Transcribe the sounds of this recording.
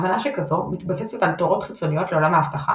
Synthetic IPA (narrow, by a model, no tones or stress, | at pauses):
vanaʃekazo̞mitbasesetaltoʁo̞tχit͡so̞nijo̞tle̞o̞lamaːftaχa̰